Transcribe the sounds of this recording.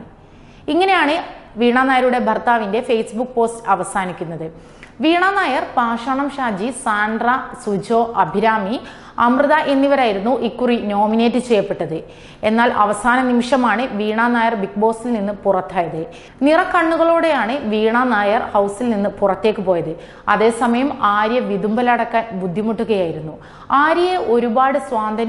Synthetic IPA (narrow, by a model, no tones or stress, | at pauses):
iŋːɐne̞jaːɳɨʋiːɳaːnaːjɐɾuɽe̞bʱɐrt̪aːʋinde̞fejsbukːpo̞ːstɨɐʋɐsaːnikʲːunːɐðɨ | ʋiːɳaːnaːjɐrpaːʂaːɳɐmʂaːd͡ʑisaːɳɖrɐsud͡ʑo̞ːʔɐbʱiɾaːmi | ɐ̰mrɨðaʔe̞nːiʋɐɾaːjiɾunːuʔikːurino̞ːmine̞ːtːɨt͡ɕe̞jɐpːe̞ʈːɐðɨ | e̞nːaːlʔɐ̰ʋɐsaːnɐnimiʂɐmaːɳɨʋiːɳaːnaːjɐrbik̚bo̞ːsilninːɨpurɐt̪ːaːjɐðɨ | nirɐkɐɳːuɣɐɭoːɽe̞jaːɳɨʋiːɳaːnaːjɐrhɐwsilninːɨpurɐt̪ːe̞ːkːɨpo̞ːjɐðɨ | ɐ̰ðe̞ːsɐmɐjɐmaːɾjɐʋid̪umbɐlɐɽɐkːaːnbud̪ʱːimɐʈːuɣɐjaːjiɾunːu | aːɾjɐjeʔo̞ɾubaːɽɨsʋaːnd̪ʱɐn